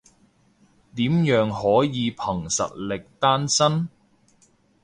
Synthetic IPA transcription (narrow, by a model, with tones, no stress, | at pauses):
t̪iː˨˥mjœː˨˧ŋhɔː˨˥jiː˨˧pʰɐ˨˩ŋsɐ̰˨t̚lɪ˨k̚t̪aː˥nsɐ˥n